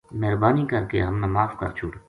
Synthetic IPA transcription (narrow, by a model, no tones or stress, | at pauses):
mɛɦɾbaːnikɐɾkḛɦɐmnamaːfkɐ̰ɾt͡ʃʰʊɽ